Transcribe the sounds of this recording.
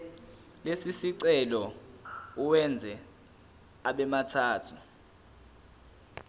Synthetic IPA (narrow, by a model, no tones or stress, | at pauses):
lesisiǀɛlɔ | uwɛnd͡zʱɛ | aɓɛmatʰaːtʰu